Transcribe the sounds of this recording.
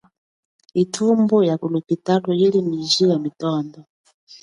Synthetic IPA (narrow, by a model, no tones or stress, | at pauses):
itʰumbujakulupitatuilimiʒijamitɔːndɔ